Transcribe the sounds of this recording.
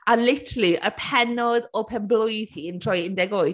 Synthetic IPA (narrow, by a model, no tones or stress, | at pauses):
alɪtʰliʔə̰pʰɛnɔdɔpʰɛmblʊjðiəntʰr̥ɔjɪndɛɡoːɨ